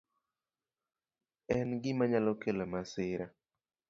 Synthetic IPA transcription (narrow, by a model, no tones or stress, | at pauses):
ɛnɡɪmaɲalɔkelamasɪɾa